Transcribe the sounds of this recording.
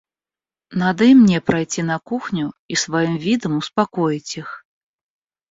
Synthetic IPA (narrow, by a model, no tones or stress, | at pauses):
nad̪ɐimnʲɛpɾajt͡sʲinɐkuxnʲuisvajimvʲid̪ɐmuspakɔjit͡sʲix